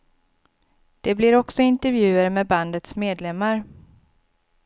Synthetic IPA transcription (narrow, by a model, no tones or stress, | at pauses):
d̪̥ɛblɪɾɔksɔɪnt̪ɛɾvjʉ̟ːəɾmɛband̪ət̪smeːd̪lɛmːaɾ